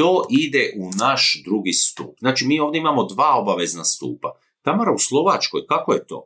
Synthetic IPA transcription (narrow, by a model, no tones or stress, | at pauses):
t̪oːʔid̪e̞ʔunaʃd̪ɾuɡist̪ṵːpznaːt͡ʃimiːoːvd̪eimamo̞d̪ʋaːo̞baʋe̞znast̪ṵːpa | t̪amaɾauslˠo̞ʋat͡ʃko̞jkakoje̞t̪o̞̰ː